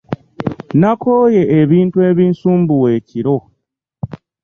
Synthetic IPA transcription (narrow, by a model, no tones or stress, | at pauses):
nako̞ːje̞ʔːβiːntue̞βiːnsuːmbuwe̞ːciɾo̞